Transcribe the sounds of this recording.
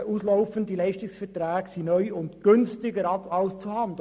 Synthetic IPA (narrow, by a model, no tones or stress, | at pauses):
ʔuːsloʊfəndilɛɪʃtɪksfɛtræːɡ̥sinœʏʊndɡ̥ʏnstɪɡəɾɑtɑʊst͡suhɑnd